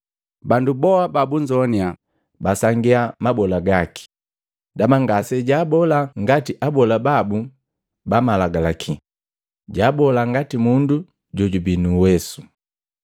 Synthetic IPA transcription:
bandubɔababuɲd͡ʒɔnia | basaŋɡiamabɔlaɡaki̥ | damaŋɡasɛɟaːbɔlaŋɡatiʔabɔlababu | bamalaɡalakʰi | ɟaːbɔlaŋɡatimundu | ɟɔɟubinuwɛsu̥

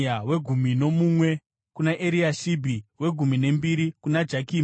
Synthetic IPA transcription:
awe̞ɡʱumino̞mumwe̞ | kunaʔeɾiaʃibʱiwe̞ɡʱumine̞mbiɾikunad͡ʒakiːm

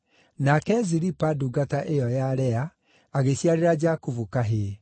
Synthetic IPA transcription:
nakɛziɾipaduɡataʔejɔjaɾɛa | aɣeɕjaɾeɾad͡ʒakuvukaɦe

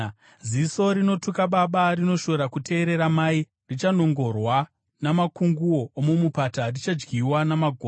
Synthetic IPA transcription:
ziso̞ɾino̞tukaɓaɓarino̞ʃo̞ɾakutʰe̞ːɾe̞ɾamai | rit͡ʃano̞ŋɡo̞rwa | namakuŋɡuo̞ːmumupatarit͡ʃad͡ʒɡiwanamaɡʱoː

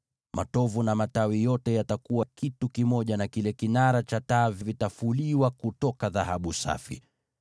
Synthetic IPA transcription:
mʔa̰tɔvunamatawijɔtɛjatakuwakitukimɔʄanakilɛkinaɾat͡ʃataːvivitafuliwakutɔkaðahaɓusa̰fḭ

